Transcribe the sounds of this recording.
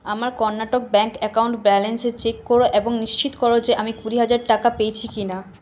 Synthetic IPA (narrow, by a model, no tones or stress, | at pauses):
amaɾkɔɾnːaʈok̚bɛŋkɛkawɳʈbɛlenset͡ɕekːoɾoʔeboŋniʃt͡ɕit̪o̥kɔɾod͡ʑeʔamikuɾiɦad͡ʑaɾʈakapejt͡ɕʰikina